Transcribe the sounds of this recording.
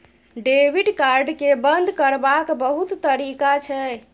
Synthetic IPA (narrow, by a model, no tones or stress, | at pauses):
ɖebiɖkaɾɖkebənd̪ʱkəɾbakbəɦut̪ːəɾikat͡ʃʰɛ